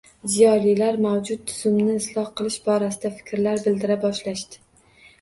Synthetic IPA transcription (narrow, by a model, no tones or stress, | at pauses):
zijɒlilaɾmawd͡ʒʊt̪tʰːʊ̥z̥ʊmnɪːslˠɒhqɨlˠɪʃbɒɾasɪd̪afɪ̥kʲɾlaɾbɪld̪ɪɾabɒʃlaʃt̪ɪ̥